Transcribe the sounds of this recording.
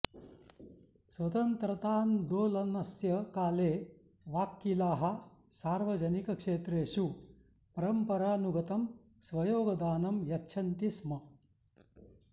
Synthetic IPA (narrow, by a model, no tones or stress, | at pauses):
sʋɐt̪ɐnt̪ɾɐt̪aːnd̪oːlɐnɐsjɐkaːleː | ʋaːkːilaːɦɐ̆saːɾʋɐd͡ʒɐnikɐkʂeːt̪ɾeːʃu | pɐɾɐmpɐɾaːnuɡʱɐt̪ɐm | sʋɐjoːɡɐd̪aːnɐmjɐtːʃʰɐnt̪ismɐ